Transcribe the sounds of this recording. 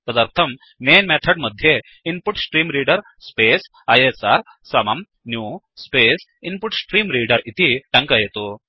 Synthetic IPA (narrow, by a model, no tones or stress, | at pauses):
t̪əd̪aɾt̪ʰəmː | enmɛt̪ʰəɽməd̪ʱje | inpuʈsʈɾiːmɾiɖəɾ | spes | ajesaɾ | samam | nju | spes | inpuʈsʈɾiːmɾiɽəɾit̪ʰiʈãŋkajet̪o